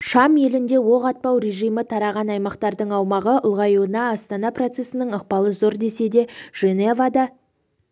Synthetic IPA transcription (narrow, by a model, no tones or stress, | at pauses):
ʃɑmje̞lɪnd̪e̞wo̞ʁɑt̪̚pɑwɾe̞ʒijmət̪ʰɑɾɑʁɑnɑjmɑqt̪ɑɾd̪əɴɑwmɑʁəʔʊlˠʁɑjunɑːst̪ɑnɑprot̪se̞sɪnɪɴəq̚pɑlˠəzo̞ɾd̪e̞se̞d̪e̞ʒ̥e̞ne̞vad̪ɑ